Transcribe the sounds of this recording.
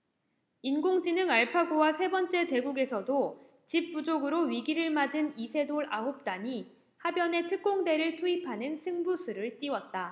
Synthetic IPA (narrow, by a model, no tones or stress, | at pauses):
inɡoŋd͡ʑinɯŋaɭpʰaɡowasʰe̞bʌnt͡ɕ͈e̞te̞ɡuɡe̞sʰʌdo | t͡ɕip̚p͈ud͡ʑoɡɯɾoɥiɡiɾɯɭmad͡ʑɯnisʰe̞doɭaɦop̚t͈aɲi | habjʌne̞tʰɯk̚k͈oŋde̞ɾɯɭtʰuipʰanɯnsʰɯŋbusʰuɾɯɭt͈iwʌt̚t͈a